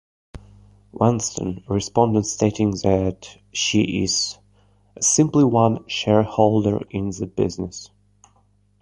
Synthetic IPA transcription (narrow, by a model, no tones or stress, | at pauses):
wʔɛ̃nstʰə̰̃nɹɨspɑ̃ndə̃ntsteɪɾɪ̃ŋðɨt | ʃiʔɪz̥ | ɨsɪ̃mpliwʌ̃nʃɛɹhoʊlˠdə̰˞ɪ̃nðɨbɪ̰znəs